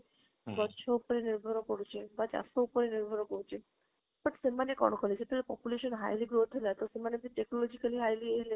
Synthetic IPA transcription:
bɔt͡ʃʰoupɔɾeniɾbʱɔɾɔkɔɽut͡ʃʰebad͡ʒa̰soupɔɾeniɾbʱɔɾkɔɽut͡ʃʰe | bəʈsemanekɔ̰ɽ̃ɔkʰɔlet͡ʃʰet̪elepɔpjuleʃɔnɦa̰jliɡɾot̪ʰelat̪osemanebiʈeknɔlɔd͡ʑikaliɦajlieɦle

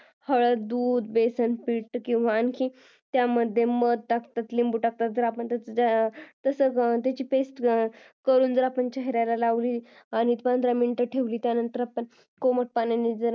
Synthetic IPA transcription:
həɭəd̪uːd̪besənpiːʈːkĩw̃ʋaːnkʰi | t̪jaməd̪ʱːjeməd̪̚ʈakt̪at̪limbuʈak̚t̪at̪̚d͡zəɾapəɳt̪əət̪əsət̪jat͡ɕiːpesʈ | kəɾuːnd͡zəɾapəɳt͡ɕəɦɾjalalaʋliː | añiit̪pand̪ɾamiɳʈəʈʰeʋliːt̪janənt̪əɾapəɳ | koməʈ̚panjanid͡zəɾ

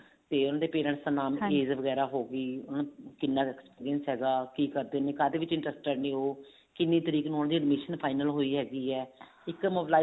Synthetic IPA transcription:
t̪eːʊnãːd̪eːpeːɾə̃ɳʈsənaːmeːzʋəɡɛːɾaːɦoːɡiːʊnãkɪnːãːɛːkspiːɾiənsɦɛːɡaːkiːkəɾd̪eːnẽːkaːd̪eːʋɪt͡ʃɪ̃ɳʈɾəsʈkəɾnĩːɦoː | kɪnːẽːt̪əɾiːknũːnãːd̪iːəɖmeːʃənpʰaːɪnəlɦoːiːɦɛːɡiːɛː | ɪkmoːblaː

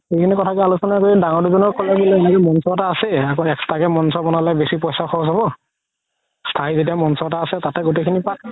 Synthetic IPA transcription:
xejkʰinikɔtʰakɛalusɔnakoɹidaŋɔɹduzɔnɔkkɔlabilɛɛnɛkɔmɔnsɔtaːsɛakɔɛkstakɛmɔnsɔbɔnalɛjbesipɔjsaxɔɔsɦɔbɔ | stʰaizet̬iamɔnsɔtaːsɛtatɛɡotekʰinipat̚

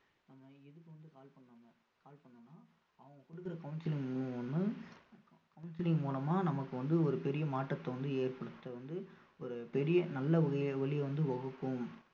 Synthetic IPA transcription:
nɐmːɐɛðɯkːɯʋɐnd̪ɯkaːlpɐɳːaːŋɐ | kaːlpɐɳːɐnːaː | ɐʋɐ̃ŋɡɐkɔɽɯkːɪɾɐkɐʊnsɪlɪŋɡmuːlʋɐnd̪ɯ | kɐʊnsɪlɪŋɡmuːlɐmaːnɐmɐkːɯʋɐnd̪ɯɔɾɯpɛɾɪjɐmaːʈːɐt̪ːɐʋɐnd̪ɯeːrpɐɽɯt̪ːɐʋɐnd̪ɯ | ɔɾɯpɛɾɪjɐnɐlːɐʋɐɣɐʋɐɭɪjʋɐnd̪ɯʋɐɣɯkːɯm

